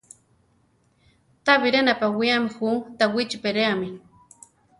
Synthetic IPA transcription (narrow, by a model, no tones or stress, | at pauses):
t̪aβiɾenapawiamixut̪awit͡ʃipeɾeami